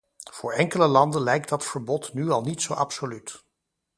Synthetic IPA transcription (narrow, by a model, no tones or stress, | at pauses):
v̥ʊːɹɛŋkələlɑndənlɛjk̚dɑtfəɹbɔtnyɑlˠnitsowʔɑ̰psolyt